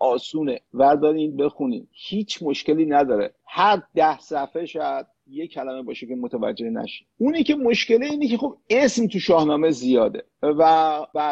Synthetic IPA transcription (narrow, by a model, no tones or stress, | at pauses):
ʔɒːsuːnevæd̪ɒːɾinbe̞xunḭːnhiːt͡ʃʰmoʃce̞liːnæd̪ɒːɾe̞̰ | hæɾd̪æhsæfeʃæd̪̥̚ | jecʰælæme̞bɒːʃecemot̪ʰævæ̰d͡ʒːe̞hnæ̰ʃi̥unicʰe̞moʃce̞leiːnecʰe̞xob̚e̞smt̪ʰuʃɒːhnɒːmezijɒːd̪e̞̰ | væbæ